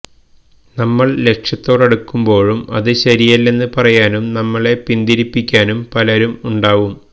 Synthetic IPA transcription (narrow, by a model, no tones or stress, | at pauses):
nɐmːɐɭle̞kʂjɐt̪ːo̞ːɽɐɽukːumbo̞ːɻumɐðɨɕɐɾijɐlːe̞nːɨpɐrɐjaːnumnɐmːɐɭe̞pind̪iɾipːikʲːaːnumpɐlɐɾumuɳɖaːʋum